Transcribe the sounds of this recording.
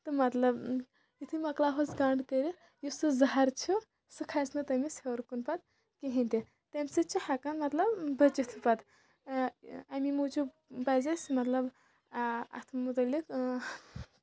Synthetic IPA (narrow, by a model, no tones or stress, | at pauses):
t̪ɨmɐt̪lɐb | it̪ʰɨmɐklaɦosɡaɳɖt̪eɾi | jusɨzɐɦaɾt͡ʃʰi | sɨkʰasnɨt̪ɐmisewɾkunpat̪ | keɦint̪i | t̪emʲsɨt͡ʃʰihakanmɐt̪lɐbbɐt͡ʃit̪ʰupat̪ | amimud͡ʒu | bazɐsmɐt̪lɐb | ɐ̰t̪ʰmut̪ɐlik